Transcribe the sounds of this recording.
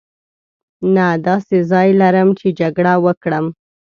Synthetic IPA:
nad̪ɑsezɑjlaɾəmt͡ʃed͡ʒaɡɽawəkɽəm

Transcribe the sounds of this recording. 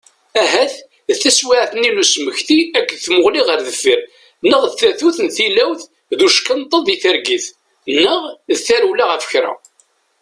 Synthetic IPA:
æɦæθ | ðθæswiʕθnilusməçθiækːθmʊʁliʁəɾðəfːiɾ | nːəʁðθæθuθnθilæwθ | ðuʃkənt̪ˤːəðˤjiθəɾɡiθ | nːəʁðθæɾwlaʁəfə̥çɾæ̰

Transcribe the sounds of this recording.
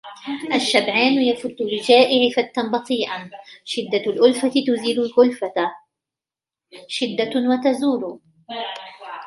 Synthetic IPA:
ʔaʃːabʕaːnjafʊt̪ːʊlɪd͡ʒaːʔɪʕɪfat̪ːanbɑt̪ˤiːʔaʃɪd̪ːalʔʊlfat̪t̪ʊziːd̪ʊlʔʊlfa | ʃɪd̪ːawat̪azuːɾʊ

